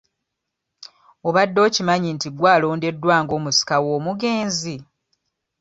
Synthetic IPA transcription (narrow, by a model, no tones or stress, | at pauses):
o̞βadːo̞ːcimaɲintiɡwaːlo̞ːnde̞dːwaːŋɡo̞ːmusi̥kawoːmuɡe̞ːnzi